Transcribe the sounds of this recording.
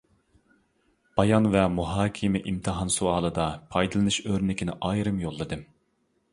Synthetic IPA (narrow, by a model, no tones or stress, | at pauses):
b̥ɑjɑnvɛmuɦɑːkʲʰimɪʔimt̪ʰɨɦɑnsuɑːlˠɨd̪ɑpʰɑjd̪ɨlˠɨnɨʃøɾnɪkʲɪnɪʔɑjɾɨmjolˠːɨd̪ɨm